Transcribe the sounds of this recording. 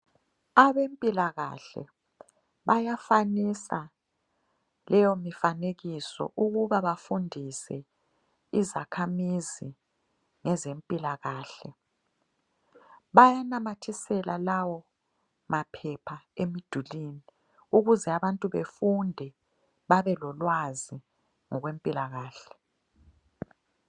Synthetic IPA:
aβempʼilaɣa̰ɬɛ̰ | βajafanisa | lɛjomifaneɣisɔ̰ʔuɣuβaβafundʱisɛ̰ | izakʰamizi | ŋɛzempʼilaɣaːɬɛ | βajanamatʰisɛlalawɔ | mapʰɛpʰaemid̥ʱuliːni | uɣuzɛaβantʼuβefundʱɛ | βaβɛlɔlwazi | ŋɔɣwempʼilaɣaːɬɛ̥

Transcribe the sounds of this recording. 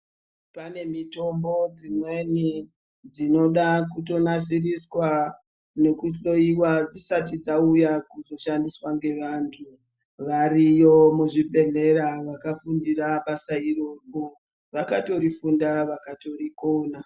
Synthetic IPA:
pane̞mito̞mbo̞d͡zimwe̞ni | d͡zino̞ɗakuto̞nas̬iriswa | ne̞kuɗo̞iwad͡zisatid͡zaujakuzo̞ʃandiswaŋɡe̞ʋantʰu | ʋarijomuʐibʱe̞ɮe̞ɾaʋakafundiraɓasairo̞ko | ʋakato̞ɾifundaʋakato̞riko̞ːna

